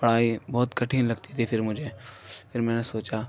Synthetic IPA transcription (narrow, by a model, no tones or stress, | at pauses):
bɐɽ̤aːibɔːt̪kɐʈʰĩnlɐɡt̪it̪ʰifʰɪɾmʊd͡ʒʱepʰɪɾmɛ̃ːnesoːt͡ʃa